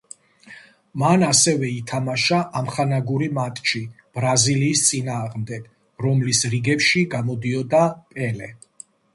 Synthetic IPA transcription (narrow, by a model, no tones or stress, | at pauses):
manasɛvɛit̪ʰamaʃaʔamχanaɡuɾimat̪ʼt͡ʃʰi | b̥ɾaziliːst̪sʼinaːʁmd̪ɛɡ̥ | ɾɔmlisɾiɡɛpʃiɡamɔd̪iɔd̪apʼɛlɛ